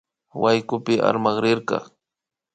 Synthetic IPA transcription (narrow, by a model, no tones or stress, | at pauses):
wʔajkʊpɪʔa̰ɾmɑχɾɪɾqɑ̰